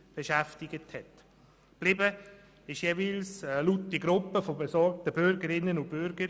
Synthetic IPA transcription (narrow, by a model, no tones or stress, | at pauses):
b̥eʃæftɪɡ̥əthɛt | b̥lɪbə | ɪʃjeːviːlslut̚diɡɾʊpːəfobesɔɾk̚təbʏɾɡəɾɪnːənʊnb̥ʏɾɡəɾ